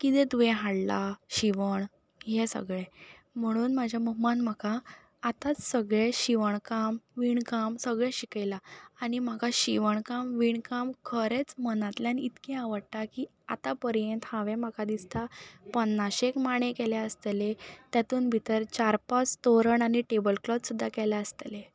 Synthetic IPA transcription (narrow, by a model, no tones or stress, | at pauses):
kit̪ẽt̪uʋẽɦaɽlaɕiʋəɳ | ɦesə̰ɡɭe | m̤əɽ̃uːnmad͡ʑʱjaməɦmanm̤akaː | t̪at͡ssəɡɭeɕiʋəɳkamʋiɳkamsəɡɭeɕikajlaːɽim̤akaɕiʋəɳkamʋiɳkamkʰəɾet͡smənãt̪ljanit̪kẽaʋəɽʈ̪aki | a̰t̪apəɾjent̪hãʋem̤akad̪ist̪apənːaɕekmaɳekɛlaəst̪elet̪jat̪uːnbʱit̪əɾt͡ɕaɾpat͡st̪oɾəɳaɽiʈebəlklɔt̪sud̪ʱːakɛlaəst̪ele